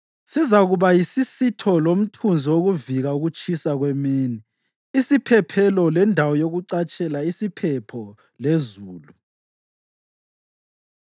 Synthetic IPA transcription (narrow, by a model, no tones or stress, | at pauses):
sizaɣuβajisisitʰɔlom̩tʰund͡zʱioɣuviɣauɣut͡ʃʼisaɣwemiːni | isipʰɛpʰɛlɔlɛndʱawɔjoɣuǀat͡ʃʼɛlaisipʰɛpʰɔ | lezuːlu